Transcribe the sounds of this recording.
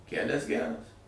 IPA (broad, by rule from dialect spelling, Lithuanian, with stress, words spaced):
ˈkʲælʲɛs ˈɡʲærɐs